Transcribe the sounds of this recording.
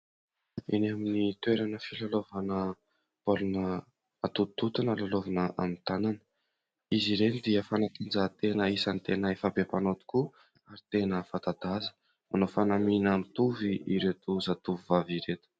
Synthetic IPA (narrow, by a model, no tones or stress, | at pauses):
inaminit̪weɾanəfilalovanə | polunəː | t̪ut̪ut̪unəlalovanəʔamit̪ananə̥ | iziɾenid̪iəfanat̪ind͡zat̪enəisanit̪enəefabepanot̪u̥ku | aɾit̪enəfat̪ad̪azə̥ | manofanaminamit̪uviiɾet̪uzat̪uvivaviɾet̪u̥